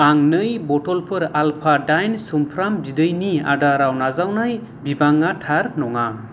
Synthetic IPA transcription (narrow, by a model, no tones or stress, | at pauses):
aŋnɯjbɔtɔlpʰɯɾalpʰadajnsumpʰɾambidɯjnia̰daɾawnazawnaj | bibaŋːatʰaɾnɔŋa